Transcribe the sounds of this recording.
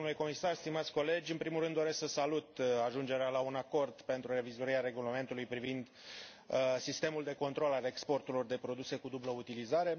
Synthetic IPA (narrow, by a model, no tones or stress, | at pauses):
nuleko̞misarst̪imat̪sʲko̞le̞d͡ʒʲɨnpɾimulrɾɨnd̪o̞ɾesksəsalut̪aʒund͡ʒe̞ɾealaunako̞rd̪pe̞nt̪ɾure̞vizoɾiɾeaɾe̞ɡulame̞nt̪ulujpɾivind̪ | sist̪e̞muld̪e̞ko̞nt̪ɾo̞lale̞kspo̞rt̪ulo̞rd̪e̞pɾo̞d̪use̞kud̪ubləut̪ilizaɾe̞